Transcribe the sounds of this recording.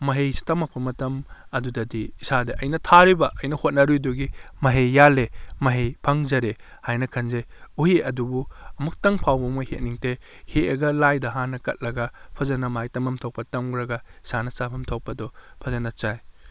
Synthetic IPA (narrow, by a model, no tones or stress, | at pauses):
mɐɦejstɐmɐk̚pɐmɐtɐmɐdudɐdiːsadɐʔɐjnɐtʰaɾibɐʔɐjnɐhot̚nɐɾujduɡimɐɦejːalemɐɦejpʰɐŋzɐɾe | hajnɐkʰɐnzeuheʔɐdubuɐmuk̚tɐŋpʰawbɐmɐhet̚niŋte | heɐɡɐlajdɐɦanːɐkɐt̚lɐɡɐpʰɐzɐnɐmajtɐmɐmtʰowk̚pɐtɐmɡɾɐɡɐi̥sanɐsapʰɐmtʰok̚pɐdɔpʰɐzɐnɐt͡ʃaj